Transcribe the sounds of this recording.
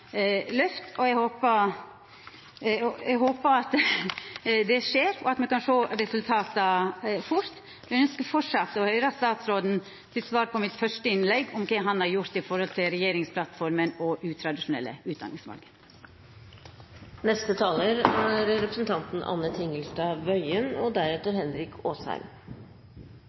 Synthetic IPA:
lœft̪ɔɛɡhoːpə | ɔɛɡɦoːpəɑt̪ | d̪ɛʂeːɾɔ̰ɑt̪mɛkɑnʂoːɾɛsʉlt̪ʰɑːt̪əfʊɾt̪ | ʋɛœnskəfɔʈʂɑt̪ːɔhœʏɾəst̪ɑːt̪sɾoːd̪n̩ | t̪ʰɪlsʋɑːɾpʰɔmɪt̪fœʂʈəɪnlɛɡɔmkʰɛɦɑnhɑɾjʊɾt̪ɪfɔɾhɔlt̪ʰɪlɾɛjeːɾɪŋspʰlɑt̪fɔɾmənɔʔʉːt̪ʰɾɑd̪ɪʂʊnɛ̰lːə̰ʉːt̪̚d̪ɑ̰nɪŋsmɑ̰lɡəɾ | nɛst̪ət̪ʰɑːləɾæɾɾɛpɾəsnt̪ʰɑnt̪n̩ʔɑ̰nːət̪ʰɪŋəlsʈɑʋœʏənɔd̪æɾɛt̪ːəɾhɛnɾɪkʰoːshæ̰ɪm

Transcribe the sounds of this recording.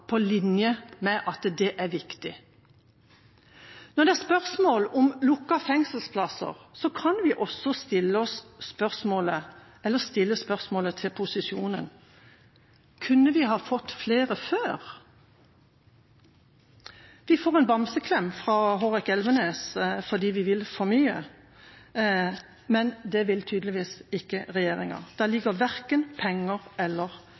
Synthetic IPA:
pʰɔlɪnjəmɛʔɑt̪d̪ɛʔæʁʋɪkt̪ɪ | nɔd̪ɛæspœʁsmoːlɔmlʊkːɑfɛŋsəlspʰlɑsə̰ʁsɔkʰɑnʋɪʔɔsːɔst̪ɪlːəɔspœʁsmoːlə | ɛlːəst̪ɪlːəspœʁsmoːlət̪ʰɪlpʰʊsɪsjuːnən | kʰʉnːəʋɪɦɑːfɔt̪ːfleːʁəføːʁ | ʋɪfoːʁɛnbɑmsəkʰlɛmfʁɑːɦoːʁɪkɛlʋəneːsfɔd̪iːʋɪʋɪlfɔɾmyːə | mɛnd̪ɛʋɪlt̪ʰyːd̪lɪʋiːsɪkːəʁɛjeːʁɪŋɑ̰d̪̥ɛlɪɡəʋæʁkənpʰɛŋːəʁɛlːəʁ

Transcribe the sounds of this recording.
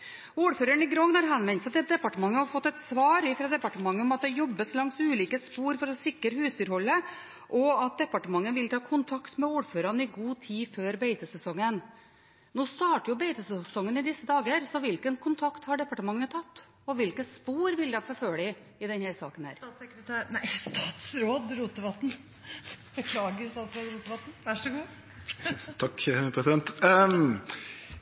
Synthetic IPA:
uːɖføːɾəɳɪɡɾɔŋnɑɾɦɛnmɛnst̪ɛd̪ɛpɑʈəmɑŋːəhɑɾfɔt̪ːɛt̪sʋɑːɾɪfɾɑːd̪ɛpɑʈəmɑŋːəɔmɑt̪̚d̪ɛjɔbːəslɑŋsʉːliːkəspuːɾfɔɾɔsɪkːəɾəhʉːsd̪yːɾhɔlːə | ʔɔɑt̪̚d̪ɛpːɑʈəmɑŋːəʋɪlt̪ʰɑːkʰʊnt̪ʰɑkt̪mɛuːɾføːɾɑnəɪɡuːt̪ʰiːføːɾbeɪt̪əsɛsɔŋːən | noːst̪ɑːʈəɾjʊbeɪt̪əsɛsɔŋːənɪd̪ɪsːəd̪ɑːɡəɾsɔʋɪlkənkʰʊnt̪ʰɑkt̪hɑɖɛpɑʈəmɑŋːət̪ʰɑt̪ː | ɔʋɪlkəspuːɾʋɪld̪ɛfɔɾføːɭɪ | ɪd̪ɛnhæɾsɑ̰ːkənhæ̰ːɾɑːsɛkɾət̪ʰæːɾnæɪst̪ɑːt̪sɾoːd̪ɾuːt̪əʋɑt̪n̩ | bəkʰlɑːɡəɾst̪ɑːt̪sɾoːd̪ɾuːt̪əʋɑt̪n̩ʋæʂəɡuː | t̪ʰɑkpʰɾɛsɪd̪ɛnt̪

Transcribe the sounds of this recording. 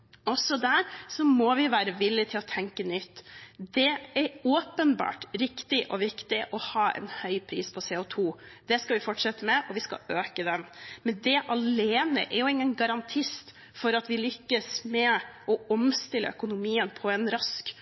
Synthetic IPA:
ɔsɔd̪æɾsɔmɔʋɪʋæːɾəʋɪlːɪt̪ʰɪlɔt̪ʰɛŋkənʏt̪ːd̪ɛɛɾoːpənbɑ̰ːʈɾɪkt̪ɪʔɔʋɪkt̪ɪʔɔhɑːʔɛ̰nhœʏpʰɾiːspʰɔseːʊt̪ʰuːd̪̥ɛskɑʋɪfɔʈʂɛt̪ːəmɛʔɔʋɪskɑ̰øːkəd̪ɛnmɛnd̪ɛʔɑleːnə̰ʔɛɾjʊɪŋːənɡɑɾɑnt̪ʰɪst̪ | fɔɾɑt̪ʋɪlʏkːəsmɛʔɔɔmst̪ɪlʔə̰œkʊnʊmiːənpʰɔɛnɾɑsk

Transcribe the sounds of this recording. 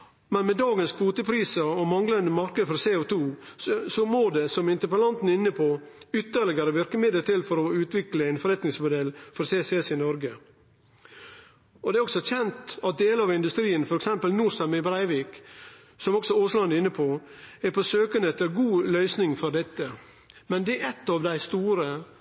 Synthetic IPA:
mɛnmɛd̪ɑːɡənskʰuːt̪əpʰɾiːsəɾɔmɑŋlənd̪əmɑɾkəd̪əfɔɾseːɔt̪ʰuːsɔmoːd̪ɛsɔmɪnt̪əɾpəlɑnt̪n̩ɪnːəpʰo | ʏt̪ːəɾɭɪɡəɾəʋɪɾkəmɪd̪əlt̪ʰɪlfɔɾɔʉːt̪ʋɪkləæɪnfɔɾɛt̪nɪŋsmʊd̪ɛlfɔɾseːsɛsɪnɔɾɡə | ɔd̪ɛæɾɔksɔçɛnt̪ɑt̪̚d̪eːləɑʋɪnd̪ʉst̪ɾiːənfɔɾɛksɛmpəlnuːɾsɑnmɪbɾæɪʋiːk | sɔmɔksɔoːslɑnɪnːəpʰɔæɾpʰɔsøːkənɛt̪ːəɾɡuːlœʏsnɪŋfɔɾd̪ɛt̪ːə | mɛnd̪ɛɛt̪ːɑʋd̪æɪst̪uːɾə

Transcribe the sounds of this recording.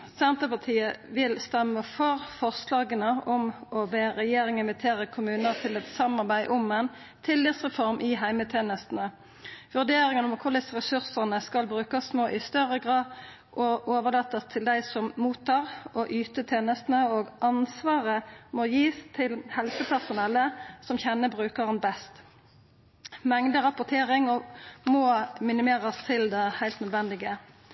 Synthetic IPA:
sɛnt̪ʁəpɑʁt̪ʰiːəʋɪlst̪ɛmːəfɔʁfɔʁslɑːɡənəɔmɔbeːɾɛjeːɾɪŋɪnʋɪt̪ʰeːʁəkʰʊmʉːnəʁt̪ʰɪlɛt̪sɑmɑʁbæɪʔɔmɛn | t̪ʰɪlːɪʁsʁɛfɔʁmʔɪɦæɪmət̪ʰeːnəst̪n̩ə | ʋʉʁd̪eːɾɪŋənɔmkʰʊʁd̪ɪsəʁɛsʉʁsəʁnəskɑlbʁʉːkəsmoːʔɪst̪œʁəɡʁɑːd̪ | ʔoʔoːʋəʁlɑːt̪ːəst̪ʰɪld̪æɪsɔmmuːt̪ʰːɑːʁɔʔyːt̪ət̪ʰeːnəst̪n̩əoːɡʔɑnsʋɑːʁəmojiːst̪ʰɪlhɛlsəpʰæʁsʊnɛlːəsɔmçɛnːəbʁʉːkəʁənbɛst̪ | mɛŋd̪əʁɑpʊʁt̪ʰeːʁɪŋɔmoːmɪnɪmeːʁəst̪ʰɪld̪ɛhæɪlt̪nœd̪ʋɛnd̪ɪɡə

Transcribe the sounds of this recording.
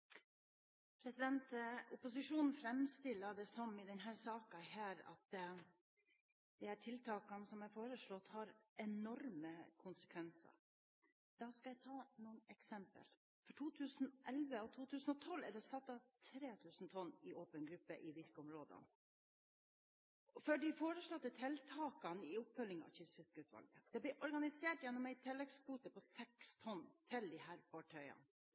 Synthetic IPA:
pʰɾɛsɪd̪ɛnt̪ʊpʊsɪʂuːnn̩fɾɛmst̪ɪlːəɖɛsɔmɪd̪ɛnɦæːɾsɑːkɑhæːɾɑ̰t̪ | d̪̥ɛhæːʈʰɪlt̪ʰɑːkɑnsɔmæɾfoːɾəʂɭɔt̪ːhɑɾɛnɔɾməkʰʊnsə̥kʰʋɛnsə̰ɾ | d̪̥ɑːskɑæɪt̪ʰɑːnuːnɛksɛmpə̰l | fɔʈʰuːt̪ʰʉːsn̩ʔɛlʋəɔt̪ʰuːt̪ʰʉːsn̩ɔt̪ʰɔlːɛɖɛsɑt̪ːɑt̪ʰɾeːt̪ʰʉːsn̩t̪ʰɔnːɪʔoːpənɡɾʉpːə̰ʔɪʋɪɾkəʊmɾoːd̪ə̰n | fœɖɪfoːɾəʂɭɔt̪ːət̪ʰɛlt̪ʰɑːkɑnɪʊpfœlɪŋɑ̰çʏsfɪskəʉːt̪ʋɑ̰lɡəd̪̥ɛblɪʔɔɾɡɑnɪseːʈjɛnːɔmæɪt̪ʰɪlːɛɡsbuːt̪əpʰɔsɛkst̪ʰɔnt̪ʰɪld̪ɪhæːɾfɑʈʰœʏɑ̰n

